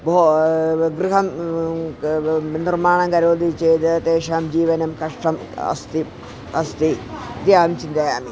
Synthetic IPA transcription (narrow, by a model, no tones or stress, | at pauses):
booɡriɦɐm | nirmaːɳɐŋɡɐɾoːd̪it͡ɕejt̪ɐt̪eːʂaːmd͡ʑiːʋɐnɐmkɐʂʈɐmɐ̰st̪i | ɐst̪id̪jaːmt͡ɕind̪ɐjaːmi